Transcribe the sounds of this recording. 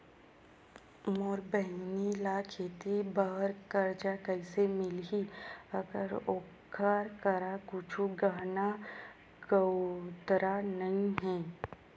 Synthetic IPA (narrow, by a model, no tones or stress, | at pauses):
moːɾbəɦnilakʰeːt̪ibəɦəɾkəɾd͡ʒakəɪsemɪlɦiəɡəɾoːkʰaɾkəɾakʊt͡ʃʰuɡaːna | ɡəwt̪ɾanɐĩɦɛ̃ː